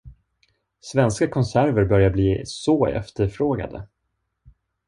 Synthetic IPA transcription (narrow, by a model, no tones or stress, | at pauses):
svɛnskakʰɔnsæɾvəɾbœɾjabliːsɔɛ̰ft̪əɾfɾoːɡa̰d̪ə̰